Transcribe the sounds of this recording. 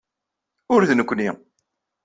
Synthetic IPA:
ʊɾðnəkʷːni

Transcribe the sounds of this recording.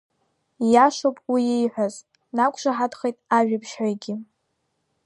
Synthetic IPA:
jaʃowpʼwiejħʷaz | nakʷʼʰʂʷaħadχejtʼaʒᶣapʰʃħajɡʲɪ

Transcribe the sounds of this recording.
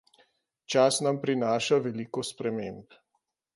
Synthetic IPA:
t͡ʃasnampɾinaːʃaʋɛlikɔspɾɛmemp

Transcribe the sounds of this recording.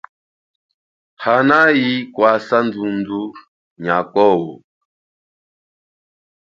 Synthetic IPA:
hanajikwasand͡zund͡zu | ɲakɔwɔ̰

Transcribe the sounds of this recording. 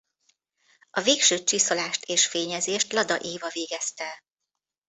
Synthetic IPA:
ɒveːkʃøːt͡ʃiso̞laːʃt̪ʰeːʃfeːɲɛzeːʃt̪lɒd̪ɒʔeːvɒveːɡɛst̪ɛ

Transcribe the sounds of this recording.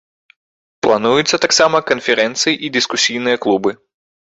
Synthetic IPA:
plˠanujut̪sːɐt̪aksamɐkɐnfʲɛɾɛnt̪sɨjiʔid̪ɨskusʲijnɨjɐklˠubɨ

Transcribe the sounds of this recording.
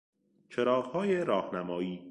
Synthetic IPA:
t͡ʃʰeɾɒːɣhɒːjeɾɒːhnæmɒːiː

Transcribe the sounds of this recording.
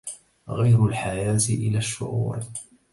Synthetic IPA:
ɣajɾʊlħajaːt̪ɪʔɪ̰laʃːʊ̰ʔuːɾ

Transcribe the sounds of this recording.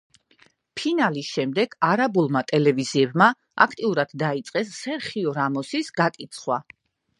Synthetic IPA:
pʰinalisʃɛmd̪ɛɡ̥aɾabulˠmat̪ʼɛlɛviziɛbma | a̰kʰt̪ʼiuɾad̪̥d̪ait̪sʼqʼɛsːɛɾχiɔɾamɔsisɡakʼit̪sʰχwa̰

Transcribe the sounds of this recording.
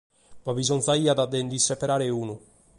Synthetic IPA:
pavizɔnzaiːad̪ad̪end̪isepeɾaːɾeuːnu

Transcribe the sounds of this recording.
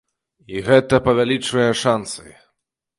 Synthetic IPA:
iɣɛt̪ɐpɐvʲalʲit͡ʂvɨjɛʂansɐj

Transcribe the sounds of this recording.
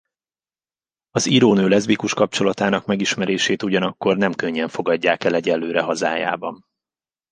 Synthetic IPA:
ɒziɾoːnøːlɛzbikuʃkɒp̚t͡ʃo̞lɒt̪aːnɒkmɛɡiʃmɛɾeːʃeːt̪uɟɒnɒkːo̞rnɛmkøɲːɛɱfo̞ɡɒɟːaːkɛlɛɟɛlːøːɾɛɦɒza̰ːja̰ːbɒn

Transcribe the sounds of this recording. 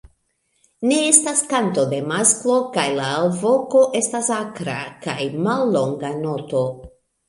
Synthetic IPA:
ne̞estaskanto̞d̪e̞masklo̞kajlaːlvo̞ko̞ʔe̞stasakɾa̰kajmalːo̞ŋɡano̞to̞

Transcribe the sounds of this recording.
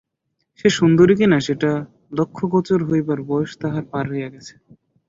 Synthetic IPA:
ʃeʃund̪oɾik̬inaʃeʈa | lokʰːokɔt͡ɕoɾɦojbaɾbɔjoʃt̪aɦaɾpaɾɦojaɡɛt͡ɕʰe̥

